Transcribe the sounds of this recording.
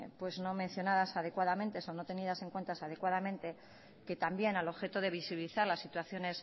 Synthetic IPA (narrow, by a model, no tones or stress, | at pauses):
pwe̞zno̞mẽ̞n̟θjo̞naðasaðe̞kwaðamẽ̞nt̪e̞sono̞t̪e̞nið̞ase̞ŋkwe̞nt̪asaðe̞kwaðamẽ̞nt̪e̞ | ke̞t̪ambje̞nalo̞βxe̞t̪oðe̞β̞isiβiliθaɾlasːit̪waθjo̞ne̞s